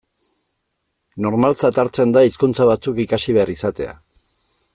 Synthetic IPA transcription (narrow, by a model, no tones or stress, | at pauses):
no̞ɾmalt͡sat̪aɾt͡se̞nd̪aiskunt͡saβat͡sukikasiβ̞e̞aɾisat̪e̞̰a̰